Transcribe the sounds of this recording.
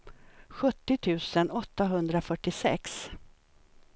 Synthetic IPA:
ɧɵt̪ːɪt̪ʰʉ̟ːsənɔt̪ːaɦɵnd̪ɾafœʈːɪsɛ̰ks

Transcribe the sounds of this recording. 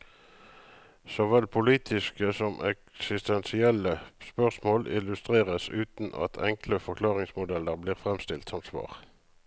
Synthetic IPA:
sɔʋɛlpʰʊliːt̪ʰɪskəsɔmʔɛksɪst̪ɛnsɪɛləspœʁsmoːlɪ̰lʉst̪ʁeːʁəsʉːt̪nʔɑ̰t̪ʰɛŋkləfɔʁkʰlɑːʁɪŋsmʊd̪ɛlːəʁbliːʁfʁɛmst̪ɪlt̪sɔmsʋɑ̰ːʁ

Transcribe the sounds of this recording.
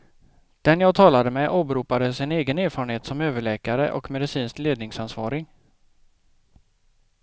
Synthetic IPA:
d̪̥ɛnjɑːɡt̪ʰɑːlad̪əmɛjʔɑːbɾuːpad̪əsɪneːɡəneːɾfɑːɾənheːt̪sɔmøːvəɭɛːkaɾə̰ʔɔ̰kmɛd̪ɪsiːnskleːd̪nɪŋsansvɑ̰ːɾɪŋ

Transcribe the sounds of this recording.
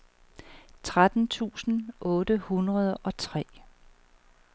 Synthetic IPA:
t͡sʰʁad̥n̩t͡sʰṵːsn̩ʔɔːd̥əhunʁɐð̞ˠɒ̽t͡sʰʁɛ̰ː

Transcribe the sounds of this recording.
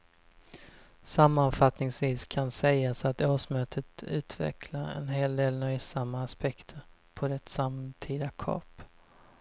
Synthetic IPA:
samːanfat̪nɪŋsviːskʰansɛjasat̪oːʂmøːt̪ʰət̪ʉ̟ːt̪ʰvɛ̰kʰlaɾɛ̰nɦeːld̪eːlnœjsamːaːspɛkt̪ʰəɾpʰɔd̪ɛt̪samt̪ʰiːd̪akʰɑ̰ːp

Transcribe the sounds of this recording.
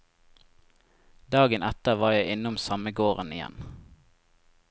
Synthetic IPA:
d̪ɑːɡənʔɛt̪əʁʋɑːjæɪʔɪnʊmsɑməɡoːʁənɪ̰jɛ̰n

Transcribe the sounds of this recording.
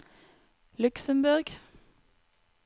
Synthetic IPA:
lʉksəmbʉʁɡ

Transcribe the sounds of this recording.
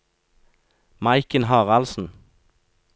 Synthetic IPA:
mɑɪkənhɑːʁɑlsn̩

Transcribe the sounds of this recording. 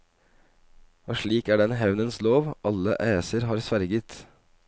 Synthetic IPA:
ɑːʂɭiːkæːɖɛnɦɛʋnənsloːʋʔɑlə̰ʔæːsəɾɦɑːɾsʋæɾɡət̪

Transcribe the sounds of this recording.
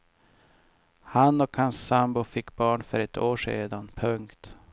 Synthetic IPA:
hanɔkhansːambʊfɪkːbɑːɳfœɾɛt̪ʰoːʂḛːd̪anpʰɵŋkt̪

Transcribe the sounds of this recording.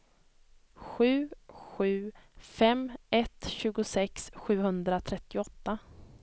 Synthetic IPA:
ɧʉ̟ːɧʉ̟ːfɛmɛt̪ɕʉ̟ːɡʊsɛksɧʉ̟ːhɵnd̪ɾat̪ʰɾɛt̪ːɪɔt̪ːa

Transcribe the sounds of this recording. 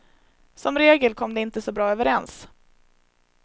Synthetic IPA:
sɔmɾeːɡəlkʰɔmd̪ɛɪnt̪əsɔbɾɑːøːvəɾɛns

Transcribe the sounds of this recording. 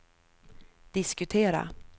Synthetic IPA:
d̪̥ɪskɵt̪ʰeːɾa̰

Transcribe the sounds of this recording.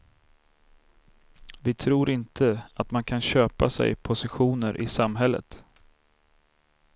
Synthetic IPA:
vɪt̪ʰɾuːɾʔɪnt̪ʰəat̪mankʰanɕøːpasɛ̰jpʰʊsɪɧuːnəɾʔɪ̰samɦɛlːə̰t̪

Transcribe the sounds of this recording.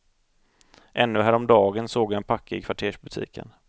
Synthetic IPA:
ʔɛnːɵɦæːɾɔmd̪ɑːɡənsoːɡjaɛnpʰakːaɪkʰvaʈʰeːʂbɵt̪ʰḭːkʰə̰n

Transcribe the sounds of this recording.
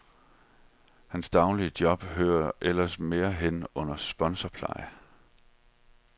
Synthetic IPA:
hænsd̥ɑ̈ʊliəd̥jɒ̽b̥ɦøːɐʔel̰ɐsme̝ːɐɦenɔ̽n̰ɐsb̥ɒ̽nsɒpʰlɑ̈ɪ

